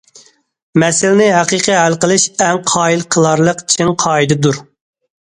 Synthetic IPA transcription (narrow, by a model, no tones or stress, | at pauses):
mɛsɪlɪnɪɦɛqiqʰəɦælqəlˠɨʃɛŋqʰɑːilˠqʰəlˠɑɾlˠəqi̥t͡ʃʰiŋqʰɑːid̪ɨd̪uɾ